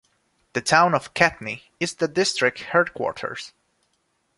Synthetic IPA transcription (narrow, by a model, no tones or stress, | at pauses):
ðɨtʰãʊ̃nʌv̥kʰætni | ɨzðɨdɪstɹ̥ɪk̚t̚hɜɹd̚kʰw̥ɔ̰ɹtʰə̰˞z̥